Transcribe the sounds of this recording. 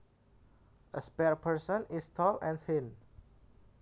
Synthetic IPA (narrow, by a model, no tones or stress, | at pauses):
ʔəspɛɹpʰəɹsə̃nistʰɔlɛ̃nfĩn